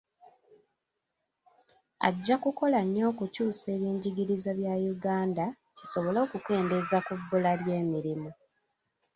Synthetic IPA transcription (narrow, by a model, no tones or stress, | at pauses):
a̰ɟːakuko̞laɲːo̞ːkucuːse̞ːβjiːɲɟiɟiɾizaβjajuɡaːnda | ciso̞βolo̞ːkuke̞ːnde̞zakubːulalje̞ːmiɾimu